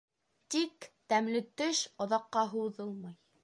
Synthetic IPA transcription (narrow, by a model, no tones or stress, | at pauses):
t̪ikt̪æmlɘt̪ɵʃŏðɑqːɑɦuðɤlˠmɤj